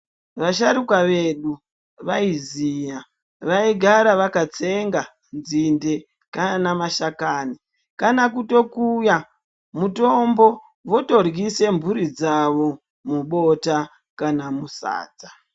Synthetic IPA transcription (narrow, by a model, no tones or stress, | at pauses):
ʋaʃaɾukwaʋe̞ɗu | ʋaizija | ʋaiɡʱaɾaʋakat͡se̞ŋɡa | nzinde̞ | kanamaʃakani | kanakuto̞kuja | muto̞mbo̞ | ʋo̞to̞rɡise̞mbuɾid͡zaʋo̞ | muɓo̞ta | kanamusa̰ːd͡za